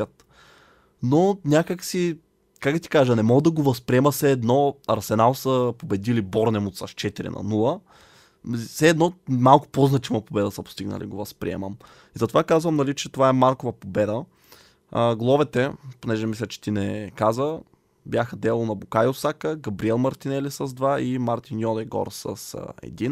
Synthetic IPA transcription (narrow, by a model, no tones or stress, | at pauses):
at̪ | nonʲakəksi | kak̚d̪ɐt̪i̥kaʒənɛmɔɡəd̪ɐɡovɐspɾiɛməsɛːd̪nɔɐɾsɛnalˠsəpobɛd̪ilibɔɾnɛmot̪saʃt͡ʃɛt̪iɾḭnɐ̰nulˠə | sɛːd̪nɔmalˠkʊ̥poznɐt͡ʃivɐpobɛd̪əsɐpo̥st̪iɡnə̰lḭɡovɐspɾḭɛ̰mə̰m | izɐt̪ovakazvɐmnɐlit͡ʃɛt̪ovaɛmaɾkovɐpobɛd̪ə | ɡlˠɔvɛt̪ɛponɛʒɛmislʲət͡ʃɛ̥t̪inɛkazə | bʲjaxəd̪ɛlˠonɐbukajosakəɡɐbɾiɛlˠmɐɾt̪inɛlisəzd̪vaimaɾt̪injɔd̪ɛjɡɔ̰ɾsə̰sɛ̰d̪in